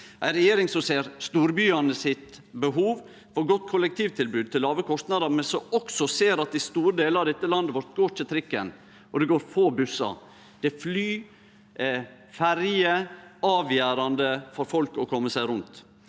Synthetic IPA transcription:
ʔæɪɾɛjeːɾɪŋsɔseːɾst̪uːɾbyːɑnəsɪt̪bəɦuːʋ | fɔɾɡɔt̪ːkʰʊlːɛk̚t̪ʰiːʋt̪ʰɪlbʉːd̪̚t̪ʰɪlːɑːʋəkʰɔst̪nɑd̪əɾmɛnsɔɔksɔseːɾɑt̪ɪst̪uːɾəd̪eːləɑʋd̪ɛt̪ːəlɑnd̪əʋɔɾt̪ɡoːtʰɪt̪ʰɾɪkːən | ʔɔd̪ɛɡoːɾfoːbʉsɑ̰ | d̪̥ɛflyː | fæɾjəɑːʋjæːɾɑnd̪əfɔɾfɔlkɔkʰɔmːəsæɪɾʊnt̪

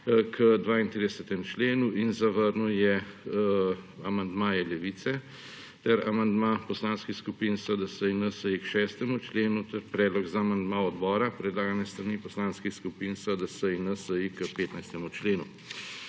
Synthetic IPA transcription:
kʰəd̪ʋaːint̪ɾiːd̪ɛsɛt̪ɛmt͡ʃleːnuinzaʋəɾnuwjɛ | amand̪maːjɛlɛʋit̪sɛ | t̪ɛɾamand̪maːpɔslaːnskixskupinsəd̪əsəjnəsəjikʃɛːst̪ɛmut͡ʃleːnut̪ɛɾpɾɛːd̪lɔɡzaːmand̪maːɔd̪bɔːɾapɾɛd̪laːɡanjɛst̪ɾaniːpɔslaːnskixskupiːnsəd̪əsəjinɐsəjikəpeːt̪najst̪ɛmut͡ʃleːnu

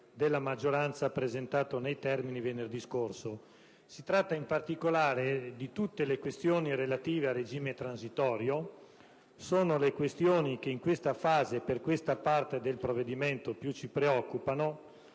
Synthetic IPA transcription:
d̪elːamad͡ʒːoɾant̪sapɾezent̪aːt̪onejt̪ɛrminivenerd̪iskorso | sit̪ɾat̪ːaimpart̪ikolaːɾed̪it̪ut̪ːelekwest̪joːniɾelat̪iːvearːed͡ʒiːmet̪ɾansit̪ɔːɾjo | soːnolekwest̪joːnik̟eiŋkwest̪afaːzeperkwest̪apart̪ed̪elpɾovːed̪iment̪opjut͡ʃːipɾeɔkːupano

